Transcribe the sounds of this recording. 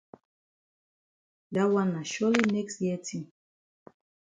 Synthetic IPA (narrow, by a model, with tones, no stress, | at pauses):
da˦wa˦na˨ʃɔ˦li˦nɛ˦kstji˦ɛ˦tʰĩ˦m